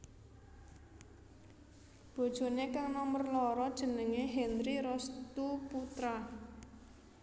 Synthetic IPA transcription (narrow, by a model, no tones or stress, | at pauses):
b̥o̤d̥ʒ̥o̤nekaŋnɔmərlɔɾɔd̥ʒ̥ə̤nəŋeɦɛnɾiɾɔst̪uput̪ɾa